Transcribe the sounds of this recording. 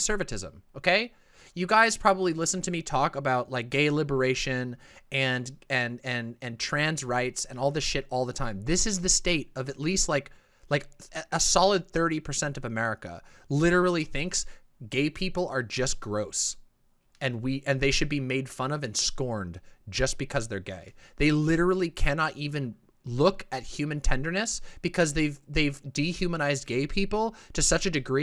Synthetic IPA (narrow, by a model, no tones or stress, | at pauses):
sɜ˞vɨtʰɪzə̰̃moʊkʰeɪ | jɨɡaɪz̥pʰɹ̥ɑbəblilɪsn̩tʰɨmitʰɔkəbaʊt̚laɪk̚ɡ̥eɪlɪbə˞eɪʃɨ̃nɨ̃nɨ̃nɨ̃nɨ̃ntʰɹ̥æ̃nzɹaɪtsɨ̃nɔlˠðɪsʃɪɾɔlˠðətʰãɪ̃mðɪsɨzðɨsteɪɾʌvɨtˡlist̚ˡlaɪk | laɪkəsɑlˠəd̪̚θɜ˞ɾipʰə˞sɛ̃ntʌvɨmɛɹɨkə̰lɪɾə˞l̩ˠiθɪ̃ŋks | ɡ̥eɪpʰipl̩ˠə˞d͡ʒʌsɡ̥ɹoʊs | ɨ̃nwiʔɨ̃nðeɪʃɨd̚bimeɪd̥fʌ̃nʌvɨ̃nskɔɹndd͡ʒʌsb̥ɨkʰʌzðə˞ɡḛɪðeɪlɪɾə˞l̩ˠikʰænɑɾʔivɨ̃n | lʊkɨt̚hj̥ʉmɨ̃ntʰɛ̃ndə˞nɨsb̥ɨkʰʌzðeɪvðeɪvdihjʉmənaɪzd̚ɡeɪpʰipl̩ˠtʰɨsʌt͡ʃɨdɨɡɹi